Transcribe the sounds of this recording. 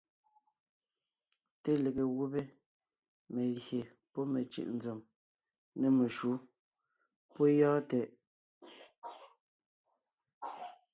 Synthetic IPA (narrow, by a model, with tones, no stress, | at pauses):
te˦le˨ɣe˨ɣu˦be˦ | me˨lje˨ | pɔ˦me˨t͡ʃʉ̰˨ʔn̩d͡ze˨m | ne˨me˨ʃu˨˦ | pɔ˦jɔː˦tɛ˨ʔ